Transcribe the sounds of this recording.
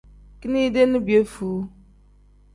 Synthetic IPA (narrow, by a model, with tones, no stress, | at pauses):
ki˦ni˦de˦nʊ˦bje˦fu˨˦